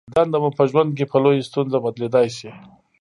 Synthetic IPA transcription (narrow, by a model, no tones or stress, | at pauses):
d̪and̪amapəʒwand̪̚k̬epəlojast̪unzabad̪led̪ɑjʃi